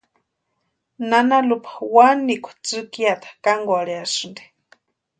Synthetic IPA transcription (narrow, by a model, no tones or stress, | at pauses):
nanalupʰḁwanikʷḁt͡sɨkiat̪ʰḁkaŋɡwaɺeasɨnd̪i̥